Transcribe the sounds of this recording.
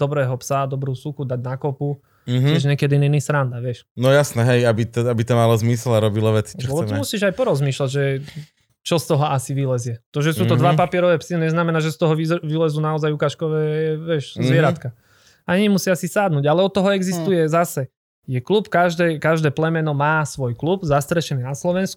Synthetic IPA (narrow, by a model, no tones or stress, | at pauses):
d̪̥ɔbɾɛːɦɔpsad̪ɔbɾuːsukud̪aɟnakɔpu | ɦɪɛʒɲɛkɛd̪ininisɾand̪aʋɪɛʃnɔjasnɛɦɛjabit̪ɔabit̪ɔmalɔzmislaɾɔbilɔʋɛt͡si̥lɛɔt̪ɔmusiːʒajpɔɾɔzmiːʃlaɟʒɛ | t͡ʃɔst̪ɔɦɔasiʋilɛzjɛt̪ɔʒɛsuːt̪ɔd̪ʋapapɪɛɾɔʋɛːpsiɲɛznamɛnaːʒɛst̪ɔɦɔʋiʋilɛzuːnaɔzajukaʃkɔʋɛːɛʋɪɛʃzʋɪɛɾat̪ka | aɲɲɛmusɪaasisaːd̪nuːɟalɛɔt̪ːɔɦɔɛɡzist̪ujɛzasɛ | jɛklupkaʒd̪ɛːkaʒd̪ɛːplɛmɛnɔmaːsʋɔjklubzast̪ɾɛʃɛniːnaslɔʋɛnsku̥